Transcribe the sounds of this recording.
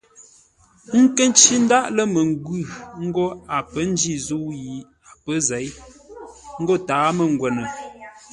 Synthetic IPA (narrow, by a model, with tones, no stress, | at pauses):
ŋ̩˦kə˦n˦t͡ʃi˦n̩˦da˦ʔlə˦mə˨ŋ˦ɡʉ˦˨ŋ̩˦ɡo˦a˨pə˦n̩˦d͡ʒi˦˨zu˦ji˨˦ | a˨pə˦zɛ˨˦j | ŋ̩˦ɡɔ˦˨taː˨˦mə˨ŋ̩˨ɡwɛ˨nə˨